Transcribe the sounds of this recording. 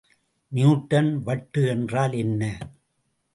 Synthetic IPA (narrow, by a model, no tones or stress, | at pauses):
njuːʈːɐnʋɐʈːɯɛndraːlɛnːɐ